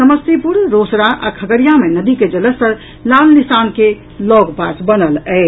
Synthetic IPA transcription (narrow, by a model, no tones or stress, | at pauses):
səməst̪ipuɾɾosɾaʔa̰kʰəɡəɾijamenəd̪iked͡ʒələsəɾ | lalnisanke | lɔɡpasbənəlɛɪ